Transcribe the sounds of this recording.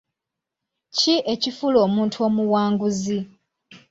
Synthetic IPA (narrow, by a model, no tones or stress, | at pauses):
ciʔe̞cifulo̞ːmuːntʰuo̞ːmuwaːŋɡuzi